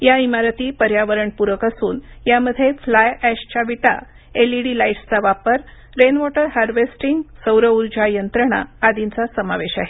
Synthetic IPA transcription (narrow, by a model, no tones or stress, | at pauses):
jaimaɾət̪iːpəɾjaʋəɾəɳpuɾəkasuːnjaməd̪ʱːjeflajæɕt͡ɕaʋiʈa̰ | eliɽilaiʈst͡saʋapəɾ | ɾenʋɔʈəɾɦaɾʋesʈiŋɡsəwɾəuɾd͡ʑajənt̪ɾəɽ̃a̰ːd̪int͡sasəmaʋeɕa̰ɦe